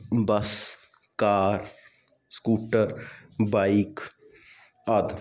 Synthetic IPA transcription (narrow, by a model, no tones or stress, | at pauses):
bɐs | kaːɾ | skuːʈəɾbaːik | ɐd̪